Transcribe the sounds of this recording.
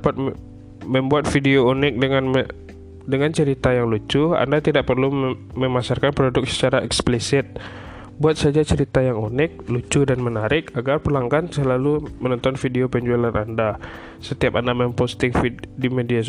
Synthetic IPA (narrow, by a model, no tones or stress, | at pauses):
apat̪̚ | məmbuat̪̚fideounɪk̚dəŋanm | dəŋant͡ʃəɾit̪ajaŋlut͡ʃua̰ndat̪idaʔ̚pərluməmasarkanpɾodʊk̚sə̥t͡ʃaɾaɛksplisɪt̪̚ | buat̪̚sad͡ʒat͡ʃəɾit̪ajaŋunɪk̚lut͡ʃudanmənaɾɪkaɡarpəlaŋkansəlalumənɔnt̪ɔnfideopəɲd͡ʒualanʔanda | sət̪iapandamɛmpost̪ɪŋfidimedia